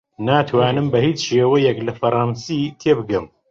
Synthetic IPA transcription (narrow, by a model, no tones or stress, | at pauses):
naːt̪ʰwaːnɨmbɐhiːt͡sʃeːwɛjɛklɐfɐɾˤɑːnsit̪ʰeːbɨɡɨm